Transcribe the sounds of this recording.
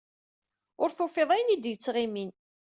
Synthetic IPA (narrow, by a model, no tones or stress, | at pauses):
ʊɾθofeðˤæjənid̪jət͡sːʁimin